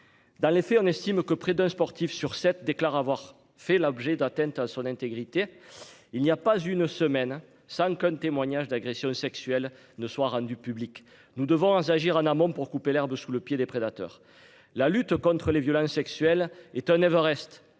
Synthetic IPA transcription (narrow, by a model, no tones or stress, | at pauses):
d̪ɑ̃lefɛɔ̃nɛst̪imkəpχed̪ɛ̃spɔʁt̪ifsyʁsɛt̪̚d̪eklaʁavwaʁ | fɛlɔbʒed̪at̪ɛ̃nt̪ãsɔ̃nɛ̃nt̪eɡʁit̪eilniapazynsəmɛn | sɑ̃kɛ̃t̪emwaɲaʒəd̪aɡʁesjɔ̃sɛksyɛl | nəswaʁɑ̃d̪ypyblik | nud̪əvɔ̃zaʒiʁɑ̃namɔ̃puʁkupelɛʁbəsuləpjed̪epχed̪at̪œ̰ʁ | lalyt̪kɔ̃t̪χəlevjɔlɑ̃sːɛksɥɛlɛt̪ɛ̃nɛvəʁɛst̪